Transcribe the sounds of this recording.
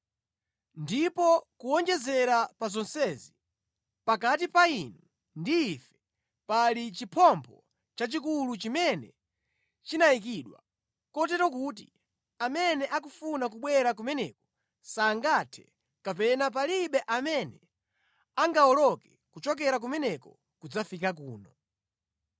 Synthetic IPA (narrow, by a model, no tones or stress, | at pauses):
ndipɔkuɔŋd͡ʒɛzɛɾapazɔnsɛzi | pakatipainu | ndiːfɛ̥ | palit͡ʃipʰɔmpʰɔ | t͡ʃat͡ʃikulut͡ʃimɛnɛ̰ | t͡ʃinaikiɗwa̰ | kɔt̬ɛtɔkut̬i | amɛnɛʔakufunak̬uɓwɛɾak̬umɛnɛkɔ̥ | saŋɡatʰɛ̥ | kapɛnap̬aliɓɛʔamɛnɛ | aŋɡaɔlɔkɛ | kut͡ʃɔk̬ɛɾak̬umɛnɛkɔ | kud͡zafikak̬uːnɔ